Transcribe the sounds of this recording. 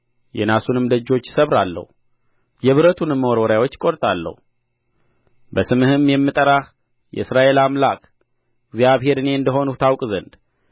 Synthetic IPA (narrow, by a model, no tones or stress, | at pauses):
jɛ̰nasunɨmd̪əd͡ʒo̞t͡ʃːsəβɾalːə̰hu | jɛβɨɾət̪ʰunɨmːəwoɾwɔɾjawo̞t͡ʃːkʼo̞ɾt̪ʼalːə̰hu | bəsɨmɨhɨmːjɛmːɨt̪ʼəɾah | jɛ̰ɨsɾaʔe̞lamlakʼ | ɨɡzjaβhe̞ɾɨne̞ɨnd̪əɦo̞nut̪ʰawkʼzənd̪